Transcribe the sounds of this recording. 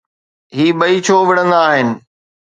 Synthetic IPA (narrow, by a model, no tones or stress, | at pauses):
ɦiːɓɐit͡ɕʰoːʋɪɽə̃nd̪aːɦɪnɪ̆